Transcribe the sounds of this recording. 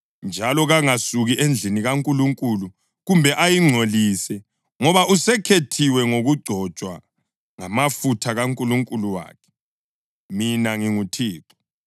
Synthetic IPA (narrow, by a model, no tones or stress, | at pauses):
nd͡ʒʱalɔɣaŋasuɣiʔend͡ɮʱiniɣaŋkʼuluŋkʼulu | ɣumbʱɛʔajiŋ͡ǀʱoliːsɛ | ŋɔβaʔusɛkʰetʰiwɛŋoɣuɡ͡ǀʱɔ̥t͡ʃʼwa | ŋamafutʰaɣaŋkʼuluŋkʼuluwa̰ːkʰɛ̥ | minaŋiŋutʰiːǀɔ̥